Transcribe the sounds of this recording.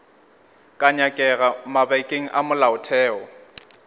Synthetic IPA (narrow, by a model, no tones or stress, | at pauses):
kʼaɲakʼɛɣamabaikʼeŋ̩ʔamʊlaʊtʰɛːɔ